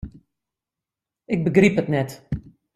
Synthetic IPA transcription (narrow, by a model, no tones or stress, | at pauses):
ɪɡ̚bəɡripətnɛt